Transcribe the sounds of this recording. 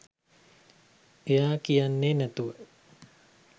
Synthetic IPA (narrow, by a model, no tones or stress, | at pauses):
ejaːkijanːeːnæt̪uʋə